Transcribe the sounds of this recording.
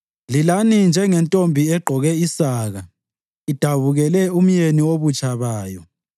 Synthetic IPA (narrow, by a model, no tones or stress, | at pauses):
lilanind͡ʒʱɛŋɛntʼombʱiɛɡ͡ǃʱɔɣɛisaːɣa | id̥ʱaβuɣɛlɛum̩jeniwoβut͡ʃʼaβaːjɔ̰